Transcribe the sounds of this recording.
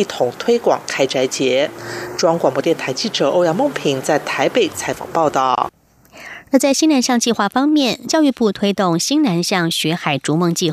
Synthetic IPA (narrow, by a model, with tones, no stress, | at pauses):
i˥˩t̪ʰʊ˨˩ŋt̪ʰwe˥ɪkwɑ̰˨˩ŋkʰa˥ɪʈ͡ʂa˧˥ɪt͡ɕjɛ˧˥ʈ͡ʂwɑ˥ŋkwɑ˨˩ŋpwɔ˧t̪jɛ˥˩nt̪ʰa˧˥ɪt͡ɕi˥˩ʈ͡ʂɤ˨˩ʔo˥˧ʊjɑ˥˧ŋmʊ˥˩ŋpʰi˨˩˦ŋt͡sa˥˩ɪt̪ʰa˧˥ɪpe˨˩ɪt͡sʰa˧˥ɪfɑ̰˨˩ŋpɑ˥˧ʊt̪ɑ˥˩ʊ | ə˧t͡sa˥˩ɪɕi˥ŋna˧˥nɕjɑ˥˧ŋt͡ɕi˥˧xwa˥˧fɑ˥ŋmjɛ˥˩nt͡ɕjɑ˥˧y˥˧pu˥˧˩t̪ʰwe˥ɪt̪ʊ˥˩ŋɕi˥ŋna˧˥nɕjɑ˥˩ŋɕɥɛ˧˥xa˨˩ɪʈ͡ʂu˧˥mɤ˥˧ŋt͡ɕi˥˧